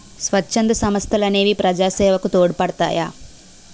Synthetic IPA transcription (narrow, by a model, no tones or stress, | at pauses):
sʋɐt͡ʃːt͡ʃːɐnd̪ɐsɐmɐst̪ʰɐlɐneːʋipɾɐd͡ʒaːsɛːʋɐkut̪oːɽupɐɽt̪a̰ːja̰ː